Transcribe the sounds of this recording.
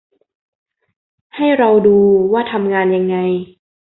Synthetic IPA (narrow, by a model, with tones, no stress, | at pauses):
ha˥˩jɾa˧wduː˧waː˥˩t̪ʰa˧mŋaː˧nja˧ŋːa˧j